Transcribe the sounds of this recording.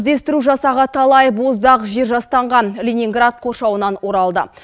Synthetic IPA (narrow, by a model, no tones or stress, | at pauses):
zd̪e̞st̪ɪɾuʒɑsɑʁɑt̪ʰɑlˠɑjbozd̪ɑqʒeɾʒɑst̪ɑɴʁɑnlʲenʲiŋɡrat̪̚qʰo̞rʃɑwənɑnwo̞ɾɑlˠd̪ə̰